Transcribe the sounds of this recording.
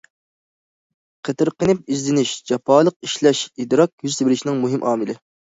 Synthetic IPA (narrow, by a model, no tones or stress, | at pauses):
qʰət̪ʰɨɾqənɪp̚izlɪnɪʃd͡ʒɑpʰɑːlˠəq̚iʃlɛʃid̪ɾɑk̚jyzt̪ʰebɪɾɪʃinɪŋmuɦɪmʔɑːmɨlɪ